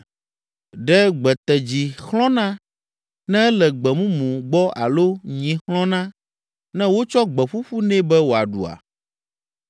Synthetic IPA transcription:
ɖɛ˦ɡ͡bɛ˨t̪ɛ˨d͡ʑi˨xlɔ̃˦nã˦ | nɛ̃˦ɛ˦lɛ˨ɡ͡bɛ˨mũ˦mũ˨ɡ͡bɔ˦ʔa̰˨lo˦ɲĩ˨xlɔ̃˦nã˦ | nɛ̃˦wo˦t͡ʃɔ˦ɡ͡bɛ˨ɸu˦ɸu˦nɛ̃˦bɛ˦wo˨a˨ɖṵ˨a̰˨

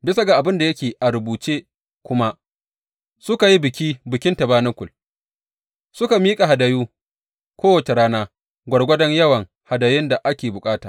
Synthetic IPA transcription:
bɪ˦sa˨ɡa˨ʔa˨bɪ˦nda˨jɐ˦kʲeː˨ʔa˨ɾʊ˨buː˨t͡ʃeː˦ | kʷʊ˦ma˦ʔ | sʊ˦ka˨ji˦bɪ˨kʲiː˦bɪ˨kʲɪ˦ntɐ˨baː˦nɐ˦kʷʊ˨l | sʊ˦ka˨miː˦kʼa˨ɦa˨da˨juː˦ | kʷoː˦wɐ˨t͡ʃe˨ɾaː˦naː˦ | ɡʷɐ˨ɽɡʷɐ˦dɐ˦ɲjɐ˦wɐ˨ŋ | ha˨da˨jɪ˦nda˨ʔa˦kʲeː˨bʊ˨kʼaː˦taː˨ʔ

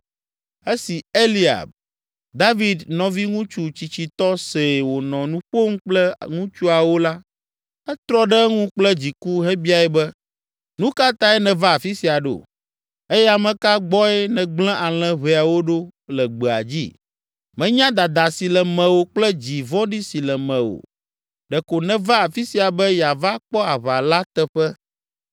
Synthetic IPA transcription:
e˦si˨e˦li˦a̰˨b̚ | d̪a˦vi˨d̪nɔ̃˨vi˦ŋũ˦t͡ʃu˦t͡ɕi˨t͡ɕi˨t̪ɔ˦se˨wo˨nɔ̃˨nũ˦ɸo˦ŋ̩˦k͡plɛ˦ŋũ˦t͡ʃu˦a˨wo˦la˦ | ɛ˦t̪ɾɔ˦ɖɛ˦ŋũ˦k͡plɛ˦d͡ʑi˨ku˦ɦɛ˦bi˦a˨ɛ˨bɛ˦ | nũ˦ka˦t̪ã˦ɛ˦nɛ̃˨va˦a˨fi˦si˨a˨ɖo̰˨ | e˦jɛ˦a˨mɛ̃˨ka˦ɡ͡bɔ˦ɛ˦nɛ̃˨ɡ͡blɛ̃˦ʔa˨l̃ɛ̃˦βe˨a˨wo˦ɖo˦lɛ˨ɡ͡bɛ˨a̰˨d͡ʑḭ˦ | mɛ̃˨ɲã˦d̪a˨d̪a˨si˨lɛ˨mɛ̃˨wo˦k͡plɛ˦d͡ʑi˨vɔ̃˦ɖi˦si˨lɛ˨mɛ̃˨wo̰˨ | ɖɛ˨ko˨nɛ̃˨va˦a˨fi˦si˨a˨bɛ˦ja˨va˦k͡pɔ˦a˨βa˨la˦t̪ɛ˦ɸɛ˦

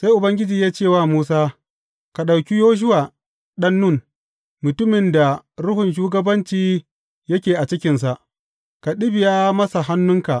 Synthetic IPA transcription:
sa˦jʔʊ˨bɐ˦ŋɡʲɪ˦d͡ʒiː˨jaː˦t͡ʃeː˦˨waː˦muː˦saː˦ | ka˨ɗa˨wkʲi˦joː˦ʃ̬ʊ˦waː˨ | ɗɐ˦nːʊ˦˨ | mʊ˨tʊ˦mɪ˨nda˨ɾʊ˦hʊ˨nʃ̬uː˦ɡɐ˦bɐ˦nt͡ʃiː˦ | jɐ˦kʲeː˨ʔa˨t͡ʃɪ˦kʲɪ˨ns̬a˨ʔ | ka˨ɗɪ˦bɪ˨jaː˦mɐ˦sa˨ɦa˦nːʊ˦ŋka˨ʔ

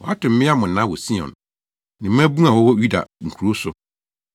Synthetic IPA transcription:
wɔ˨˦a˦tʊ̃˨m̩˦mɪ̃˦a˦mʊ̃˨n̩˨nã˦wɔ˨si˦ɔ̰̃˨n | nɪ̃˨m˦æ̃˦bũ˦ã˨wɔ˦wɔ˦ɥu˦da̰˨ŋ̩˨kʰu˨ɾo˦sʊ˦

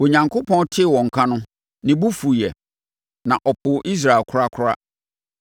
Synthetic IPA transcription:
o˨ɲã˨ŋkʰo˦pʰɔ̃˦ntʰɪ˦˨wɔ̃˨ŋ̩˨kʰã˦nʊ̃˦ | nɪ̃˨bu˦fu˨jɛ˨ | nã˨ʔɔ˨pʰʊ˨˦ʔi˦s̬ɾa˨e˨lkʰʊ˦ɾa˦kʰʊ˦ɾa̰˦

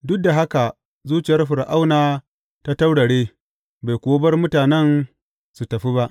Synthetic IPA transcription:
dʊ˦k̚da˨ɦa˦ka˨ | zuː˦t͡ʃɪ˨jɐ˦rɸɪ˨ɾʔa˦wnaː˦ | ta˦ta˦wɽɐ˨ɽeː˦ | ba˨jkʷoː˦bɐ˦rmʊ˦taː˨nɛ˦n | su˨tɐ˨ɸi˦ba˦ʔ

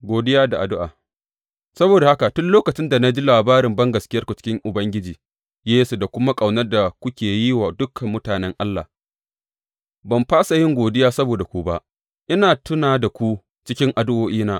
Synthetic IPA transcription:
ɡʷoː˨dɪ˦jaː˦da˨ʔa˨dʊ˦ʔa̰ː˨ | sɐ˦boː˨da˨ha˦ka˨tʊ˦nloː˦kɐ˨t͡ʃɪ˦nda˨na˦d͡ʒi˦laː˨baː˦ɾɪ˨mbɐ˦ŋɡɐ˨skʲɪ˦jɐ˦rkʷu˨t͡ʃɪ̥˦kʲɪ˦ŋʔʊ˨bɐ˦ŋɡʲɪ˦d͡ʒiː˨ | jeː˦so˨da˨kʷʊ˦ma˦kʼa˨wnɐ˦rda˨kʷʊ˦kʲeː˨ji˦waː˨dʊ˦kʰːɐ˨mːʊ˦taː˨nɛ˦ŋʔa˦lːa̰˨ | bɐ˨mɸaː˦sa˨jɪ˦ŋɡʷoː˨dɪ˦jaː˦sɐ˦boː˨da˨kʷu˦ba˦ʔ | ʔɪ˦naː˨tʊ˦naː˨da˨kʷu˦ | t͡ʃɪ˦kʲɪ˦ŋʔa˨dʊ˦ʔoː˦ʔiː˦naː˦

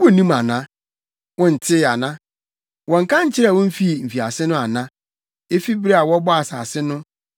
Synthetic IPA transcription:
wo˦˨nĩ˦ma˨nã˦ | wɔ̃˦n̩˨tʰɪ˦˨a˨nã˦ | wɔ̃˨ŋ̩˨kʰã˦ɲ̩˦t͡ɕʰɪ˦ɾa˨wɔ̃˦m̩˦fi˦˨m̩˨fi˨a˨sɪ˦nʊ̃˦a˨nã˦ | e˦fi˦bɪ˦ɾe˦a˨wɔ˦bɔ˦a˨saː˨sɪ˦nʊ̃˦

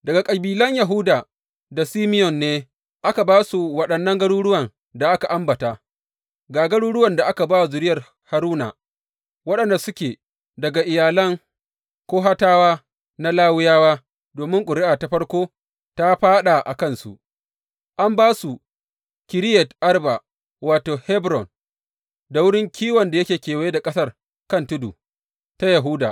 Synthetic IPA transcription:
dɐ˨ɡa˨kʼɐ˨biː˨lɐ˦ɲja˨ɦʊ˦daː˨ | da˨siː˦mɪ˦jɔ˨nːeː˦ | ʔa˦ka˨baː˦su˨wɐ˨ɗɐ˨nːɐ˦ŋɡɐ˦ɽuː˦ɽʊ˦wɐ˨n | da˨ʔa˦ka˨ʔa˦mbɐ˨ta˦˨ | ɡaː˨ɡɐ˦ɽuː˦ɽʊ˦wɐ˨nda˨ʔa˦ka˨baː˦wzʊ˨ɾɪ˦jɐ˨r | ha˦ɾuː˦na̰ː˨ | wɐ˦ɗɐ˨nda˨sʊ˦kʲeː˨ | dɐ˨ɡa˨ʔɪ˨jaː˨lɐ˦ŋ | kʷoː˦ɦa˦taː˦waː˦ | na˦laː˦wɪ˦jaː˦waː˦ | doː˨mɪ˦ŋkʷʼʊ˨ɾɪ˦ʔaː˨ta˨ɸɐ˦ɽkʷoː˦ | ta˦ɸaː˦ɗa˨ʔa̰˨kɐ˦nsṵ˨ʔ | ʔa˦mbaː˦su˨ | kʲɪ˨ɾɪ˦jɛ˨tʔa˦rba˨ | waː˨toː˨hɛ˦bɾɔ˨n | da˨wʊ˦ɽɪ˦ŋkʲiː˦wɐ˨nda˨jɐ˦kʲeː˨kʲeː˨wa˨˦je˦da˨kʼɐ˦sɐ˦r | kɐ˦ntʊ˦dṵ˨ | ta˦jɐ˨ɦu˦da̰˨ʔ

